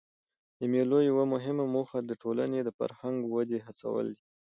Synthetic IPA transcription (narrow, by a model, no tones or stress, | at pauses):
d̪əmelojawamʊɦɪmamoxad̪əʈʰola̰ned̪əfa̰ɾhaŋɡwad̪eɦat͡sa̰wə̰ld̪i